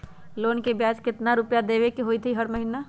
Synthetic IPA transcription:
loːnkebjaːd͡ʒkɪt̪naɾʊpjad̪eːʋekeɦoːit̪ʰiɦɐɾməɦina

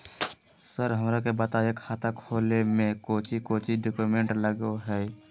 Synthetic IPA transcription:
səɾɦəmɾakebət̪aekʰaːt̪ʰakʰoːlemẽkoːt͡ʃʰikoːt͡ʃʰiɖokumẽɳʈləɡoɦɛː

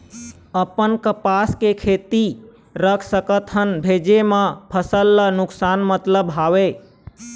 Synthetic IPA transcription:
əpənkəpaskekʰet̪i | ɾəkʰsəkət̪ɦənbʱed͡ʒemə̃pʰəsəlːənuksanmət̪ləbɦaʋe

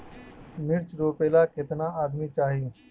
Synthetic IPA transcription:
mɪɾt͡ʃɾoːpeːlaːkɪt̪naːaːd̪miːt͡ʃaːɦie

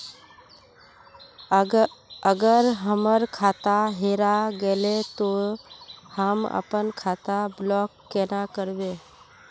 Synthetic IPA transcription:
əɡəɾɦəməɾkʰaːt̪aɦeːɾaɡelet̪o | həmə̰pənkʰaːt̪ablɔːkːeːnakəɾbe

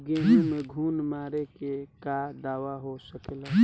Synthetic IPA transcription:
ɡeːnũmẽɡʱuːnmaːɾekekad̪aːʋaɦosəkla

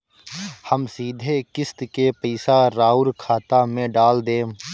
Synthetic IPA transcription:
həmsiːd̪ʱekɪst̪kepəɪsaɾaːʊlkʰaːt̪amẽɖaːld̪ẽː

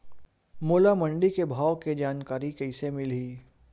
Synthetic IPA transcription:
moːlamə̃ɳɖikebʱaːwked͡ʒaːnkaːɾikɛɪsemɪliː

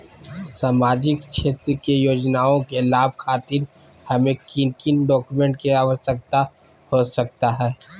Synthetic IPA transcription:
saːmaːd͡ʒɪkʃʰeːt̪ɾəkejoːd͡ʒnaːõkelaːb̚ʱkʰaːt̪ɪɾ | hɐmẽkɪnkɪnɖɔːkumẽɳʈ̚keaːʋəsək̚t̪a | hosɐk̚t̪aɦɛː

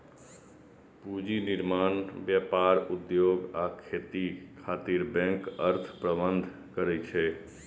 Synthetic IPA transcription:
pud͡ʒiniɾmanbjapaɾud̪joɡakʰet̪ikʰat̪iɾbɛ̃ŋkəɾt̪ʰpɾəbənd̪ʱ | kəɾɛt͡ʃʰɛ

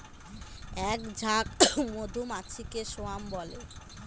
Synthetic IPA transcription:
ɛkd͡ʑʱak̚mod̪ʱumat͡ɕʰikeʃoambɔle

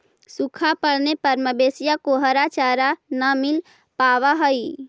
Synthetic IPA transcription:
sukʰapəɽnepəɾməbesijakoɦəɾat͡ʃaɾanəmil | paʋaɦəi

